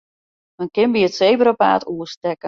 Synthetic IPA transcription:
dɔnkɪnbiətsejbəɾəpa̰ːtʰuəstɛkə

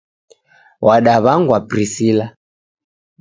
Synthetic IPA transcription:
wʔaɗaβaŋɡwabɾisila

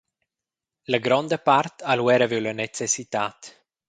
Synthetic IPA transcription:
ləɡɾɔnd̪əpart̪alwɛɾəvewlənet͡sɛsit̪at̪

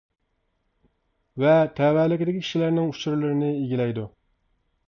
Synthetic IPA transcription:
vɛt̪ʰɛːwɛlɪkʲɪd̪ɪkʲikʲʰi̥ʃilæɾnɪŋut͡ʃʰuɾylɨɾɪnɪeɡʲilɛjd̪u

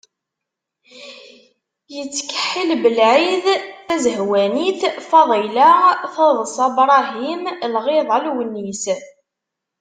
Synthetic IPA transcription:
jət͡sːkə̥ħːilbəlʕiðθæzəhwæniθfɑðˤilaʁθɑðˤəsɑbɾˤɑɦimlʁɪðˤɑlwənːis

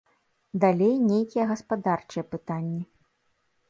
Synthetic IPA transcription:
d̪alʲejnʲejkʲijɛɣɐspad̪art͡ʂɨjɛpɨt̪anʲːi

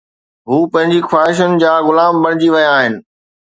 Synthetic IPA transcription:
ɦuːpɐ̃ɦɪ̃ɲd͡ʑixwaːɦɪʃ̬ənɪ̆d͡ʑaːɣʊlaːmbɐɽ̤̃ɪd͡ʑiʋɐjaaːɦɪnɪ̆

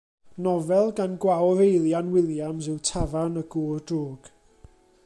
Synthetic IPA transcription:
nɔvɛlˠɡanɡwawɾejlˠjanwɪlˠjamsɪwtʰavanəɡuːrdruːɡ̥

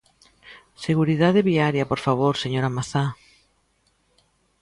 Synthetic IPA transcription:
seɣuɾiðaðeβiaɾjɐpoɾfaβ̞oɾseɲoɾamaθa

